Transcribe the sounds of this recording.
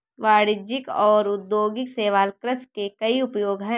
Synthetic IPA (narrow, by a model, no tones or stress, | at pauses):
ʋaːɽɪd͡ʒɪkɔːɾʊd̪joːɡɪkseːʋaːlkɾəskekɐiʊpjoːɡɦɛ̃